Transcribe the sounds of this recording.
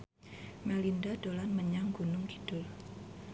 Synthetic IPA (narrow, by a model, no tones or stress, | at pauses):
mɛlindad̥olanməɲaŋɡunʊŋɡi̥d̥ʊl